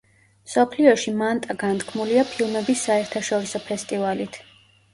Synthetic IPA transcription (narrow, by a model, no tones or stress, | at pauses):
msɔpʰliɔʃimant̪ʼaɡant̪ʰkʰmuliapʰilˠmɛbisːaɛɾt̪ʰaʃɔɾisɔpʰɛst̪ʼivalit̪ʰ